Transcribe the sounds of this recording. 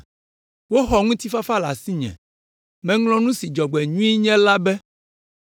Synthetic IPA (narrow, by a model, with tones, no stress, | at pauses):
wo˦xɔ˨ŋũ˦t̪i˦fa˦fa˦la̰˨si˦ɲɛ̰̃˨ | mɛ̃˨ŋlɔ̃˦nũ˦si˨d͡ʒɔ˨ɡ͡bɛ˨ɲũ˦i˦ɲɛ̃˦la˦bɛ˦